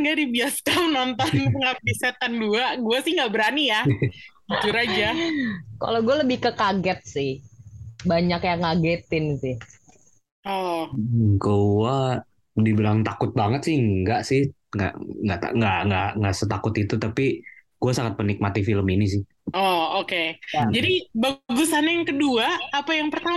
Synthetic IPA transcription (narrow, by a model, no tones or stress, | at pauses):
ŋɡadibiasamənɔnt̪ɔnəŋapisɛt̪anɡuaɡuasɪhŋɡaʔbəɾanijaɡit̪uɾad͡ʒaka̰loɡualəbɪhkəkaɡɛt̪̚sɪh | baɲakjaŋːaɡet̪ɪnsɪh | ʔɔ | koua | dibəɾaŋt̪akʊt̪̚baŋət̪sɪhəŋɡaʔsɪh | ŋɡa̰ʔŋɡaʔt̪a̰ŋɡaʔŋɡaŋɡaʔsət̪akʊt̪it̪ut̪apiɡ̥uasaŋət̪̚pənik̚mat̪ifiləminis̬ɪh | ʔɔoked͡ʒadibaɡusanajaŋkəduaːpajaŋpərt̪a